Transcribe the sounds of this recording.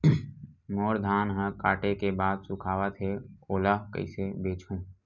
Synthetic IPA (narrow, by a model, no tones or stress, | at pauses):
moːɾd̪ʱaːnɦə̃kaːʈekebaːd̪sʊkʰaːʋət̪ʰɦeoːlakə̰ɪsebeːt͡ʃʰũː